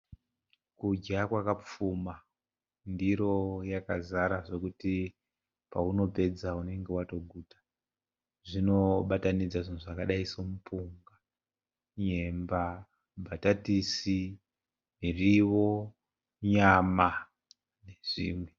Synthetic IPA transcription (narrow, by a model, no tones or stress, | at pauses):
kud͡ʒakwakap͡fuma | ndiɾo̞jakazaɾaʐo̞kuti | pauno̞pe̞d͡zaune̞ŋɡe̞wato̞ɡʱuːtḁ | ʐino̞ɓatanid͡zaʐinuʐakaɗaisomupuŋɡa | ɲe̞mba | bʱatatisi | miriʋo̞ | ɲama | ne̞ʐ̥ḭːmwe